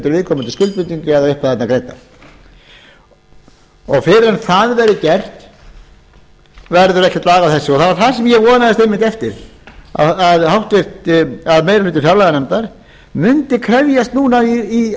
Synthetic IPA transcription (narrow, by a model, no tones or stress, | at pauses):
t̪ʏɾvɪðkʰɔmʏnt̪ɪlskʏl̚pʏnt̪iɲcɪaðaʏhpaɛt̪nakɾejt̪a | ɔɣfɪɾɪɾanθaðvɛɾɪcɛr̥t̪ | vɛɾðʏɾɛhc̪at̪laːɣawθɛsːɪɔθavaɾ̥θḁsɛmjɛvɔːnaðɛst̪ejmːɪnt̪ɛft̪ɪɾ̥a̰aðhawht̪vɪr̥t̪aðmeːjɾalʏːt̪ːɪ̥fjawlɛːɣanɛmt̪aɾ̥ | mʏnt̪ɪkʰɾɛvjast̪nuːnaii